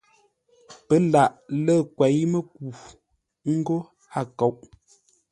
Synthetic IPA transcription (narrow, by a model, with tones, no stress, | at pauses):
pə˨˦la˨ʔlə˦˨kwɛ˨˦jmə˦k̚u˨ | ŋ̩˦ɡo˦ | ha˦˨ko˨˦wʔ